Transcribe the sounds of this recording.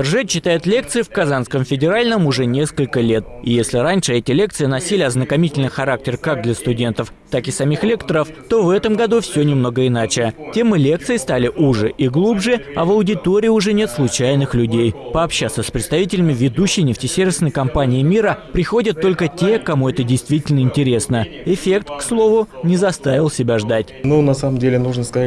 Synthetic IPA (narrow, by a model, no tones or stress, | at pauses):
ɪrʐɛɕːɪt̪ajɪt̪lʲe̞k̚t̪sɨɪfkɐzanskəmfʲɪdʲɪɾalʲnəmʊʐɛnʲe̞skəlʲkəlʲe̞t̪̚ɪjesʲlʲɪɾanʲʂɨɛtʲɪlʲe̞kt̪sɨɪnɐsʲilʲɪɐznəkɐmʲitʲɪlʲnɨjxɐɾak̚tʲɪrkaɡ̚d̪lʲəst̪ʊdʲe̞nt̪əf | t̪akɪsɐmʲixlʲe̞kt̪əɾəft̪o̞vɛt̪əmɡɐd̪ufsʲonʲɪmno̞ɡəɪnat͡ɕɪtʲe̞mɨlʲe̞k̚t̪sɨjst̪alʲɪʔʊʐɨʔɪɡlˠubʐɨɐvɐʊdʲɪt̪o̞ɾʲɪjɪʊʐɛnʲe̞t̪slˠʊt͡ɕæjnɨxlʲʉdʲejpəɐpɕːat̪səsʲpɾʲɪt̪st̪ɐvʲitʲɪlʲɪmʲɪvʲɪd̪uɕːɪjnʲɪftʲɪsʲervʲɪsnəjkɐmpanʲɪːmʲiɾəpɾʲɪxo̞dʲət̪ːo̞lʲkətʲe̞kɐmuɛt̪ədʲɪjst̪vʲitʲɪlʲnəɪnʲtʲɪɾʲe̞snəɪfʲe̞k̚t̪kslˠo̞vʊnʲɪzɐst̪avʲɪlˠsʲɪbʲaʐd̪atʲnunɐsaməmdʲelʲɪnuʐnəskɐ